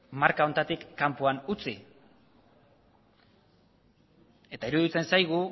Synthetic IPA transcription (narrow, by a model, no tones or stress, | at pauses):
maɾkao̞nt̪at̪ikːampuanut͡si | e̞t̪aiɾuðit͡se̞nsajɣ̞u